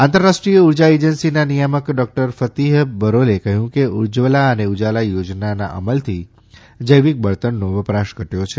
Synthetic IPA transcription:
ãnt̪əɾːaʃʈɾijəuɾd͡ʒaed͡ʒənsinanijaməkɖɔk̚ʈəɾfət̪iɦbəɾolekəɦjũkeuɾd͡ʒʋəlaəneud͡ʒalajod͡ʒnana̰ʔə̰məlt̪ʰi | d͡ʒəjʋik̚bəɭt̪ənːoʋəpɾaʃkəʈjot͡ʃʰe

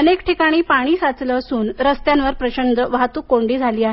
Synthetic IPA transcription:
ənekʈʰikaɽ̃iːpaɽ̃iːsat͡sləːsuːnɾəst̪janʋəɾpɾəɕənd̪əʋaɦt̪uːkːoɳɖiːd͡zʱaliːaɦe

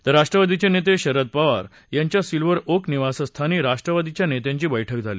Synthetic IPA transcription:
t̪əɾːaʂʈɾəʋad̪it͡ɕenet̪̬eɕəɾəd̪̚paʋa̰ɾ | jãɲt͡ɕjasilʋəɾokniʋasəst̪ʰaniːɾaʂʈɾəʋad̪it͡ɕjanet̪jãɲt͡ɕiːbəjʈʰəkd͡zʱaliː

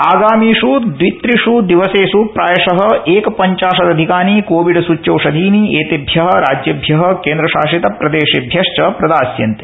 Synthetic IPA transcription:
aːɡaːmiːʂud̪ʋit̪ɾiʂud̪iʋɐseːsupɾaːjɐʂɐɦɐ̆eːkɐpɐɲt͡ʃaːʂɐd̪ɐd̪ʱikaːnikoːʋiɖsut͡ʃːt͡ʃɐːʂɐd̪ʱiːnieːt̪ebʱjɐɦɐ̆ɾaːd͡ʒjɐbʱjɐɦɐ̆keːnd̪ɾɐʃaːʂit̪ɐpɾɐd̪eːʃebʱjɐʂt͡ʃɐpɾɐd̪aːsjɐ̰nt̪e̥

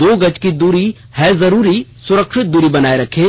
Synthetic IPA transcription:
d̪oːɡɐt͡ʃkid̪uːɾi | hɛːzɐɾuːɾisʊɾəkʃɪt̪̚d̪uːɾibɐnaːeɾɐkʰẽː

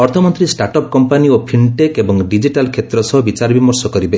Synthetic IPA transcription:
ɔɾt̪ʰɔmɔnt̪ɾisʈaɾʈɔp̚kɔmpaniopʰiɳʈekebɔŋɖid͡ʒiʈalkʰet̪ɾɔsɔɦɔbit͡ʃaɾɔbimɔɾsɔkɔɾibe

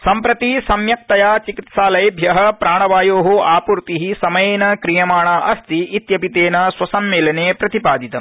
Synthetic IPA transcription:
sɐmpɾɐt̪isɐmjɐk̚t̪ɐjaːt͡ʃikit̪saːlɐjbʱjɐɦɐ̆pɾaːɳɐʋaːjoːɦuaːpuɾt̪iɦisɐmɐjenɐkɾijɐmaːɳaʔɐst̪iːt̪jɐpit̪eːnɐswɐsɐmːeːlɐneːpɾɐt̪ipaːd̪it̪ɐ

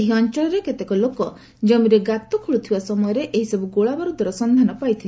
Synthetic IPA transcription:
eɦiɔnt͡ʃɔɭɔɾeket̪ekɔlokɔ | d͡ʒɔmiɾeɡat̪ɔkʰuɭut̪ʰibasɔmɔjɔɾeʔeɦisɔbuɡoɭabaɾud̪ʱwaɾɔsɔnd̪ʱanɔpajt̪ʰil

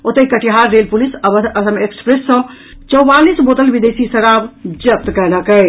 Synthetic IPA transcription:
ot̪əkəʈiɦaɾːelpulisəəsəmekspɾesːə̃ | t͡ʃɔbalisbot̪əlbid̪esisəɾabd͡ʒəp̚t̪kɛləkɛj

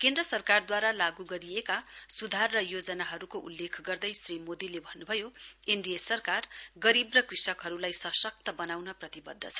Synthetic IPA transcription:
kend̪rʌsʌrkard̪waɾalaɡuɡʌɾijekasud̪ʱarːʌjod͡zʌnaɦʌɾukoʔṵlːekʰɡʌrd̪ʌjsrimod̪ilebʱʌnːubʱʌjoeɳɖijesʌrkarɡʌɾibrʌkrisʌkɦʌɾulajsʌsʌk̚t̪ʌbʌnawnʌprʌt̪ibʌd̪ʱːʌt͡sʰʌ̥

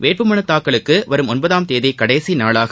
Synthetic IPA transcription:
ʋeːʈ̚pɯmɐɳɐt̪ːaːkːɐɭɯkːɯʋɐɾɯmɔnbɐðaːmt̪eːðɐɪkɐɽɐjsinaːɭaːɣɐ

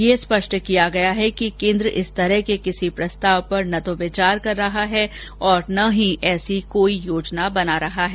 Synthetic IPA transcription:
jespɐʃʈkijaɡɐjaɦɛkikẽːnd̪ɾəʔɪst̪ɐɾɛɦkekɪsipɾɐst̪aːʋpɐɾnɐt̪oʋɪt͡ʃaːɾkɐɾːɐɦaɦɛ | ɔːɾnɐɦĩʔɛːsikoːijoːd͡ʒnabɐnaɾɐɦaɦɛː

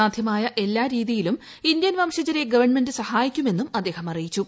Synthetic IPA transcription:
aːd̪ʱjɐmaːjɐʔe̞lːaːɾiːðijilum | ind̪jɐnʋɐːmʂɐd͡ʑɐɾe̞ɡɐʋɐrɳme̞ndɨsɐhaːjikʲːume̞nːumɐd̪ːe̞ːhɐmɐrijit͡ɕːu

